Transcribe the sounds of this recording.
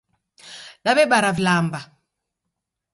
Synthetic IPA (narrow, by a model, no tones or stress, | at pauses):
ɗaβɛɓaɾavlamba